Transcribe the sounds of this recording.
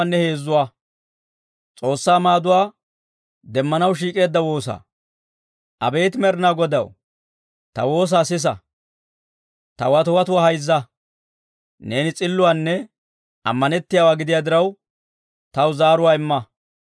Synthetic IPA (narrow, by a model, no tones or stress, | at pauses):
nːɛhe̞ːzːʊwaː | t͡sʼo̞ːsːaːmaːd̪ʊwaː | d̪ɛmːɐnɐwʃ̬iːkʼe̞ːd̪ːɐwo̞ːsa̰ː | ʔɐ̰beːt̪mɛɾnaːɡɔd̪ɐ̰w | t̪ɐ̰wo̞ːs̬aːsɪs̬ɐ̰ | t̪ɐwɐt̪ʊwɐt̪ʊwaːhɐjzːɐ | ne̞ːnɪt͡sʼɪlːʊwaːnːɛ | ɐ̰mːɐnɛt̪ːɪjaːwaːɡɪd̪ɪjaːd̪ɪɾɐw | t̪ɐwzaːɾʊwaːɪmːɐ